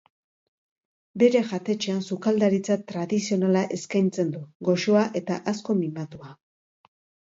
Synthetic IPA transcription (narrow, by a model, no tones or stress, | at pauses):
be̞ɾe̞ʝat̪e̞t͡ʃe̞ansukald̪aɾit͡sat̪ɾaðisio̞nalaʔe̞skajnt͡se̞nd̪uɡo̞ʃo̞aʔe̞t̪aʔasko̞mimat̪ua